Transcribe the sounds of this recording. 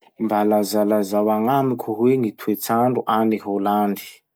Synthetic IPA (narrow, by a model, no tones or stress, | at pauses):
imbalazalazawaŋamikʰuɦweŋit̪ʰuet͡saɳɖ͡ʐuʔaniɦoland̪i̥